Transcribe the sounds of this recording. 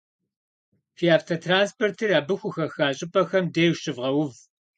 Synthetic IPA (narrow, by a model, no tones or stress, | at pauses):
fiaːftʰɐtʰraːnspʰortʰɨraːbɨxʷʊxɐxaːɕʼɪpʼɐxɐmdeːjwʃɨvʁɐwʊv